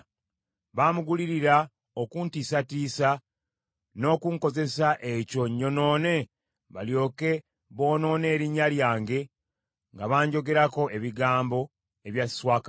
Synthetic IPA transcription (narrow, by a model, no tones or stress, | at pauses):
βaːmuɡuliɾiɾa | okuntisatiːsa | no̞ːkuŋko̞ze̞saʔe̞co̞ɲːo̞no̞ːne̞ | βaljo̞ːke̞ | βo̞ːno̞ːne̞ːɾiɲːaljaːŋɡe̞ | ŋɡaβaːɲɟo̞ɡe̞ɾako̞e̞βiɡaːmbo̞ | e̞βjasswaːka